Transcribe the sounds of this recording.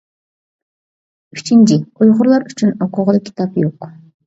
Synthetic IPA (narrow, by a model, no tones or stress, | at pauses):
yt͡ʃint͡ʃiojʁʊɾlˠɑɾyt͡ʃʰynoqʊʁlˠkʲʰi̥t̪ʰɑpjoq